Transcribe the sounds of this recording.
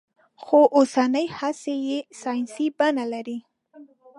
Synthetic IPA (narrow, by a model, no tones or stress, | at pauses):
xoʔosanəjhasejesɑjnsibanalaɾi